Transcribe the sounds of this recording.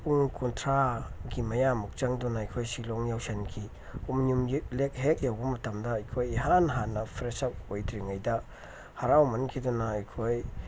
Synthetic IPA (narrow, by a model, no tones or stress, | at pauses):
puŋkuntʰɾaɡimɐjamuk̚t͡ʃɐŋdunaajkʰojsiloŋjawsenkʰi | uminumjilek̚ɦek̚jawbɐmɐtɐmdɐːjkʰojiɦanɦanːɐpʰɾesɐk̚ojtɾiŋajdɐ | haɾawmɐnkʰidɔnɐːjkʰoj